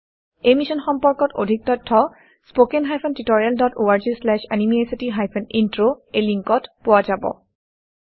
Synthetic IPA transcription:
ejmisɔnxɔmpɔɹkɔto̰dʱik̚tɔtʰːɔ | spokenɦajpʰɔntitɔɹialdɔtoaɹzislɛʃa̰nimiesitiɦajpʰɔnintɹoejliŋkɔtpʊwazabɔ̰

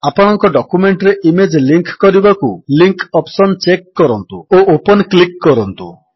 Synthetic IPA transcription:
apɔɽ̃ɔŋkɔɖɔkumeɳʈɾeʔimed͡ʒliŋkkɔɾibakuliŋkɔpsɔnt͡ʃekːɔɾɔnt̪uoʔopɔnklikːɔɾɔnt̪ṵ

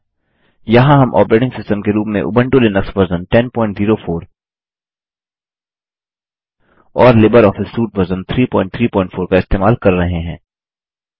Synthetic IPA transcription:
jɐɦãɦɐmʔɔ̰ːpɾeːʈɪ̃ŋɡsɪsʈəmkeɾuːpmẽʔʊ̰bə̃ɳʈolenɐksbɐɾzənʈɛnpɔ̃ːɪ̃ɳʈziːɾofʰoːɾ | ɔːɾlɪbəɾɔːfɪsːuːʈbɐɾzənt̪ʰɾiːpɔ̃ːɪ̃ɳʈ̚t̪ʰɾiːpɔ̃ːɪ̃ɳʈfʰoːɾkaɪst̪eːmaːlkɐɾːɐɦeɦɛ̃ː

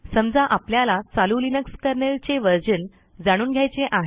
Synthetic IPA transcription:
səmd͡zaʔapljalat͡salulinəkskəɾɳelt͡seʋəɾd͡ʑən | d͡zaɽ̃uːnɡʱjajt͡seʔaɦe

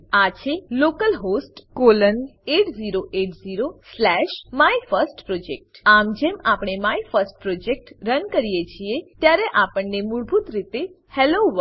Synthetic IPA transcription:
at͡ʃʰelokəlɦosʈkoləneʈziɾoʔeʈziɾoslɛʃmaifəɾsʈpɾod͡ʒek̚ʈamd͡ʒemapɳ̃emaifəɾsʈ̚pɾod͡ʒek̚ʈɾənkəɾijet͡ʃʰiet̪jaɾeʔapəɳːemuɭbʱut̪ɾit̪e | hɛloʋə

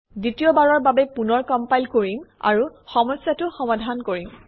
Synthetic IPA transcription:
ditiɔbaɹɔɹbabɛpunɔɹkɔmpajlkoɹima̰ɹuxɔmɔsjatʊxɔmadʱankoɹim

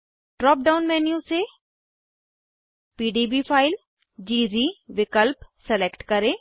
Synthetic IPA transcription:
ʈɾɔːp̚ɖaːʊnmɛːnjũseː | piːɖiːbiːpʰaːɪl | d͡ʒiːziːʋɪkəlpsɛlekʈkəɾẽː

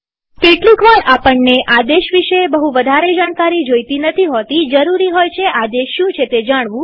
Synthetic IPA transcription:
keʈlĩkʋaɭapəɳneʔad̪eʃʋiʃebəɦuʋəd̪ʱaɾed͡ʒaɽ̃kaɾid͡ʒojt̪inət̪ʰiɦot̪id͡ʒəɾuɾiɦojt͡ʃʰeʔad̪eʃːũt͡ʃʰet̪ed͡ʒaɽ̃ʋũ

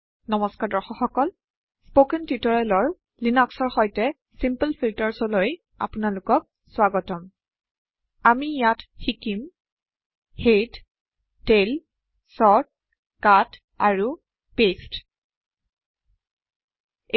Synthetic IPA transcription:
nɔmɔskaɹdɔɹxɔxɔkɔl | spokɛntitɔɹɛlɔɹ | linɔksɔɹxɔjtɛ | simpəlpʰiltɔɹsɔloj | a̰pʊnalʊkɔk̚ | swaɡɔtɔm | amijatxikim | hed | tel | sɔt̚ | kat | a̰ɹu | pest

